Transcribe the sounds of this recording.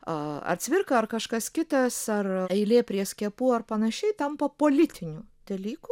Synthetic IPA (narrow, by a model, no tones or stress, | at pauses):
ɐ̰rt͡sʲʋʲɪɾkɐɐrkɐʃkɐskʲɪt̪ɐsɐrɛɪlʲeːpʲɾʲiɛsʲkʲiɛpuːɐrpɐnɐʃʲɛɪt̪ɐmpɐpoːlʲɪt̪ʲɪnʲuːd̪̥ɐlʲiːkuː